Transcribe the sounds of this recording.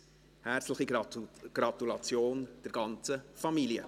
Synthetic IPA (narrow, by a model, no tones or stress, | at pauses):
hæɾt͡sləχiɡ̥ɾɑt̪ulɑt͡sjoːnd̥ɛɾɡ̥ɑnt͡səfɑmiljə̰